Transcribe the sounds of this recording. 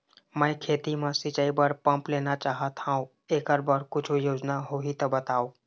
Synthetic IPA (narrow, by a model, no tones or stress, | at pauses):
mə̃kʰeːt̪imãsɪt͡ʃaːibəɾpə̃mpleːnat͡ʃaːɦat̪ʰãːõ | eːkəɾbəɽkʊt͡ʃʰojoːd͡ʒnaɦoɦit̪ɐbət̪aːoː